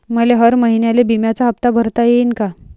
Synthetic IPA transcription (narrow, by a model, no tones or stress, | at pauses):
məleɦəɾməɦinjalebimjat͡saɦəp̚t̪abʱəɾt̪ajeinka